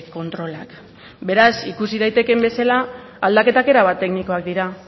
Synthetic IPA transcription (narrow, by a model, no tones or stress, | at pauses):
ko̞nt̪ɾo̞lak | be̞ɾasikusiðajt̪e̞ke̞mbe̞salaː | ld̪ake̞t̪ake̞ɾaβat̪ːe̞kniko̞ak̚d̪iɾa